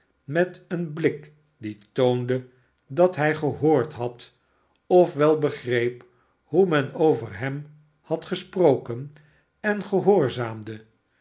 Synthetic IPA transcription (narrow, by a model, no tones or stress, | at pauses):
mɛtənblɪk | ditowndə | dɑtɦɛjχəɦoːɹtɦɑt | ɔfʋɛlˠbəχrejp | humɛnowvəɹɦɛm | hɑtχəsprowkən | ɛnχəɦoːɹzaːmdə